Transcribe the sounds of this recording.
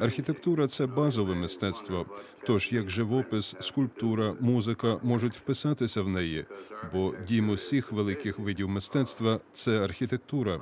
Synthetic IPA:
ɐrxʲit̪e̞kt̪uɾɐt̪sɛbɑzɔʋɛmɪst̪ɛt̪st̪ʋɐ | t̪ɔʒjɐɡʒɪʋɔpɪsːkʊlʲp̚t̪uɾɐmuzɪkɐmɔʒʊtʲwpɪsɑt̪ɪsʲɐwnɛjibɔdʲimʊsʲixʋelˠɪkɪxʋɪdʲiwmɪst̪ɛt̪st̪ʋɐt̪sɛɐrxʲit̪ek̚t̪uɾɐ

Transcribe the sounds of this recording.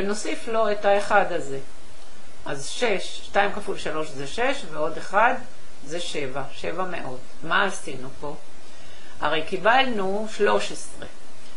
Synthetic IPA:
veno̞siflo̞etaeχad̪aze̞ | ʔazʃe̞ʃːtajimkafulʃalo̞ʃzeʃe̞ʃveo̞d̪eχad̪ | zeʃe̞vaʃe̞vame̞̰ʔo̞t̪ | maastinupo̞ | a̰ʁe̞jkibalnu | ʃlo̞ʃesʁe

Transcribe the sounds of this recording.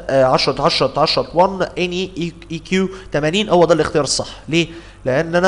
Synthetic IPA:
ʕɑʃɾˤɑt̪ʕɑʃɾˤɑt̪ʕɑʃɾˤɑt̪ˤwɑnːʔeni | ikjuːt̪æmæniːnhowːæd̪æːlːʔext̪ejɑːɾˤsˤːɑħːleː | leʔænːʔænæ

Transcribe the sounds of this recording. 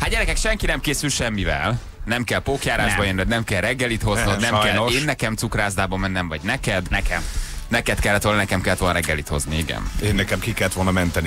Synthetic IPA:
hat̪d̪ɟɛɾɛkɛkʃɛŋkinɛmkeːsylʃɛmːivɛ̰l | nɛmkɛlpoːkjaːɾaːʒbɒjenːɛd̪nɛmkɛlrɛɡːɛlit̪ho̞zod̪nɛoeːnːɛkɛmt̪sukraːzd̪aːbɒmɛnːɛmvɒɟnɛkɛd̪nkɛmnɛkɛt̪kɛlːɛt̪olnnɛkɛmkɛlːɛt̪o̞lnɾɛɡːɛlit̪ho̞̰zniiɡɛ̰neːnːɛkɛmkikɛlːɛt̪ʋo̞lnɒmɛnt̪ɛni

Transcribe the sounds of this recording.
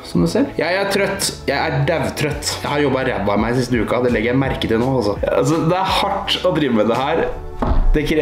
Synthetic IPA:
sɔmd̪ʉseːɾjæɪæɾʈ̪ʰɾœt̪ːjæɪæɖæʋt̪ʰɾœt̪ːjæɪhɑɾjɔbːɑɾɛ̰b̪ːɑmæɪsɪst̪əʉːkɑd̪ɛlɛɡːəɾjæɪmæɾkət̪ɪlnoːɑlsɔɑ̰s̬ɔd̪ɛæhɑʈːɔd̪ɾiːʋəmɛd̪ɛhæːɾ | d̪ɛkʰɾ

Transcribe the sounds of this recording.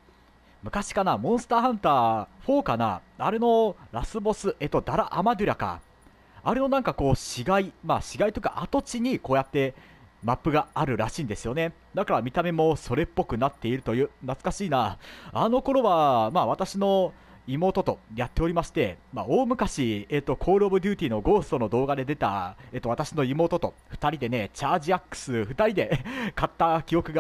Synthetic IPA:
mɯ̟kaɕi̥kanamõ̞ɰ̃sɨ̥t̪aːɦãnt̪aːɸo̞ːkana̰aɾe̞no̞ɾasɨbo̞sɨʔe̞t̪o̞d̪aɾaʔamad̪ʲɯ̟ɾaka̰ | aɾe̞no̞nãŋkako̞ːɕiɡaimaɕiɡait̪oɯ̥ka̰ʔat̪o̞t͡ɕiɲ̟iko̞ːjat̪ːe̞ | mapːɯ̟ɡaaɾɯ̟ɾaɕĩːnd̪e̞sɨjo̞ne̞ | d̪akaɾamʲit̪ame̞mo̞so̞ɾe̞pːo̞kɯ̟nat̪ːe̞iɾɯ̟t̪o̞jɯ̟ːnat͡sɨ̥kaɕiːnaano̞ko̞ɾo̞βamaːβ̞at̪aɕino̞ | imo̞ːt̪o̞t̪o̞jat̪ːe̞o̞ɾʲimaɕi̥t̪e̞maoːmɯ̟kaɕieːt̪ːo̞kʰo̞ːɾɯobɯ̟d̪ʲɨ̟ːt̪ʲiːno̞ɡo̞ːsɨ̥t̪o̞no̞d̪o̞ːɡad̪e̞d̪e̞t̪a̰eːt̪ːo̞βat̪aɕino̞imo̞ːt̪ot̪o̞ɸɯ̟̥t̪aɾʲid̪e̞ne̞t͡ɕaːʑiakːɯ̟̥sɨɸɯ̟t̪aɾʲid̪e̞kat̪ːakʲio̞kɯ̟ɡa

